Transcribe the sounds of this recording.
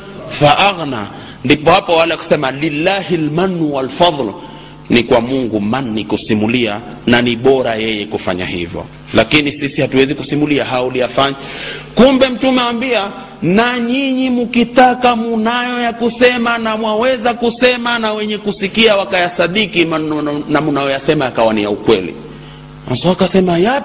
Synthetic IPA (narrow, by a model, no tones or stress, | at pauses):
faʔaɣna̰ | ndipɔhapɔwalɛku̥sɛmalilːahilmanːuwalfɑðˤl | nikwamuŋɡumanːikusimulia | naniɓɔɾajɛjɛkufa̰ɲa̰hḭvjɔ̰ | lakinisisihatuwɛzikusimuliaɦaulijafaɲakumbɛm̩tumɛwambia | naɲiɲimukitakamunajɔjakusɛmanamwawɛzakusɛmanawɛɲɛkusikiawakajasaɗikimanamunajɔjasɛmajakawanijaukwɛlḭ | asɔakasɛmaja